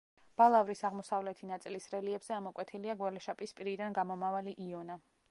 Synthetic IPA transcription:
b̥alˠavɾisaʁmɔsavlɛt̪ʰinat̪sʼilisɾɛliɛbz̥ɛamɔkʼwɛt̪ʰiliaɡwɛlɛʃapʼispʼiɾid̪anɡamɔmavaliʔiɔna

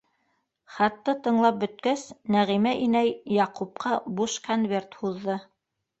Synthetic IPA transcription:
χɑt̪ːɤt̪ɤ̆ɴlˠɑp̚bɵ̆t̪̚kæsnæʁimæʔinæjːɑqup̚qɑbuʃkonvʲert̪huðːɤ

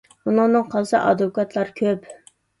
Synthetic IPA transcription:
bunɨŋnɨŋqʰɑlˠsɨʔɑ̰d̪okɑt̪ʰlˠɑɾkʲʰøp

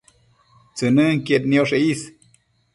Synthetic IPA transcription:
t͡sənəŋkjet̪nioʂeis

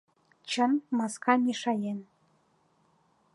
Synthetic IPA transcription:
t͡ɕə̆nmɑskɑmʲeʃɑjen

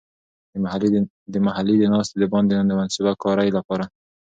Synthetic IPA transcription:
d̪əmaɦalːid̪ənɑst̪ed̪əbɑnd̪enɑnd̪əmansubakɑɾajlapɑɾa

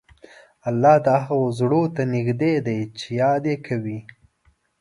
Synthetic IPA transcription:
alːɑhd̪əɦaɣozɽot̪anɪɡd̪ed̪ajt͡ʃejɑd̪jekʰawi

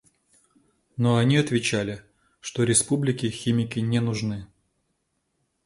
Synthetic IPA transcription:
noɐnʲiɐt̪vʲɪt͡ɕælʲɪ | ʂt̪oɾʲɪspublʲɪkʲɪxʲimʲɪkʲɪnʲɛnʊʐnɨ

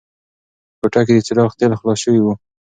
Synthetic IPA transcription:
kʊʈak̬ed̪ət͡sɪlɑxt̪elxlɑsʃəwiwu

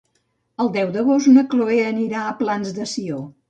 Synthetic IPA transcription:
əlˠd̪ɛwd̪əɣ̞ost̪nəkloeəniɾaəplanzd̪əsio

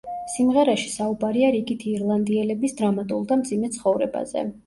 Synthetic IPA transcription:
simʁɛɾaʃi̥saubaɾiaɾiɡit̪ʰiːɾlˠand̪iɛlɛbisd̪ɾamat̪ʼulˠd̪amd̪zimɛt̪sʰχɔvɾɛba̰zɛ̰

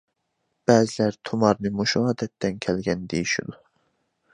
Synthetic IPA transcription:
b̥æːzilæɾt̪ʰumɑɾnɨmuʃuɑːd̪ɛt̪ːæncʲʰælɡʲænd̪ejiʃṵd̪u

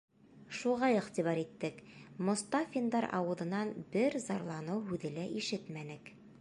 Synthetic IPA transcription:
ʃuʁɑɘ̆χt̪iβɑɾit̪ːɘkmŏst̪ɑfʲind̪ɑɾʔɑ̰wɤ̆ðɤ̆nɑnbɘɾzɑɾlˠɑnɤwɦʉðɘ̆læʔiʃɘt̪mænɘk

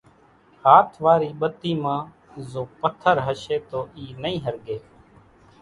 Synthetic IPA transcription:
haːt̪ʰʋaːɾiːɓət̪ːiːmãː | zoːpət̪ʰəɾɦəʃeːt̪oːiːnəĩːɦəɾɡeː

